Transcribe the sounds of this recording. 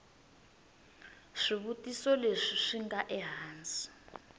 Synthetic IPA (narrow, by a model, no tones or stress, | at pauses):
ʂiβutʼisɔleʂiʂiŋɡaʔɛɦaːnd͡zʼi̥